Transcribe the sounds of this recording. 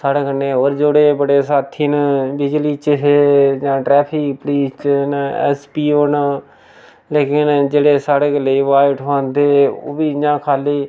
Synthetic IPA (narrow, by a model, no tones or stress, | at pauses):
saːɽeːkənːeːɦoːɾd͡ʒoɽeːbəɽeːsaːt̪ʰiːnbɪd͡ʒliːt͡ʃɦeːd͡ʒãːʈɾɛːpʰɪkpliːst͡ʃnɛ̰ːspiːoːna | leːkɪnd͡ʒeːɽeːsaːɽeːɡəleːiːʋaːjʈɦãnd̪eːo̰ːbiːɲãːkʰaːliː